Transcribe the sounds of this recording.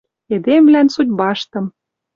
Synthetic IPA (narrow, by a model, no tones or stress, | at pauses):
ed̪emvlænsud̪̚ʲbɑʃt̪ɤ̆m